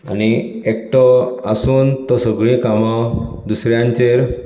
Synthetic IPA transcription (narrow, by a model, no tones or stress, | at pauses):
a̰ñiek̚ʈɔasuːnt̪ɔsəɡɭĩkamɔ | d̪usɾjãɲt͡ɕeɾ